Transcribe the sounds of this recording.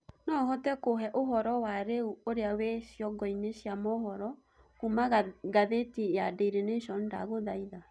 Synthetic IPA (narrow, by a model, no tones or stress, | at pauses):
nɔɦɔtɛkoɦɛʔoɦɔɾɔwaɾeuoɾeaweʃjɔɡɔineʃjamɔhɔɾɔ | kumaɡaðetijadeɾeneʃɔnda̰ɣoðaiða